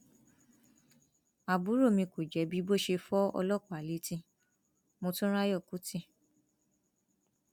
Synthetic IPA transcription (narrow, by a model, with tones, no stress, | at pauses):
a˨bu˨˦ɾo˦˨mĩ˧ko˨d͡ʒɛ˨˦bi˦bo˦˨ʃe˧fɔ˦ɔ̰˧lɔ˦˨kɔ˦˨a˨li˨˦tĩ˧˦ | mo˧tũ˦ɾa˦jɔ˦˨ku˨˦tĩ˦˨